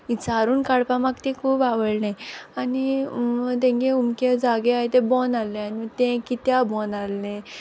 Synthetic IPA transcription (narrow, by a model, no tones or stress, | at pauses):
it͡saɾuːnkaɽpamakt̪ẽkʰuːbaʋəɭnẽani | t̪ẽŋkeumked͡zaɡeaɦt̪ebɔnalːẽanit̪ẽkit̪jabɔnalːẽ